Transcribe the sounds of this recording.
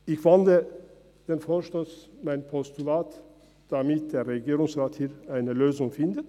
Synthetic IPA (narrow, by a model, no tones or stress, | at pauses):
ʔɪçv̥andə | d̥eːnfoːʃtoːsmaɪnpʰɔstulaːt | d̥amɪt̚d̥eːʁʁɛɡiːʁʊŋsʁaːthiːɾaɪnəløːzʊŋfɪndət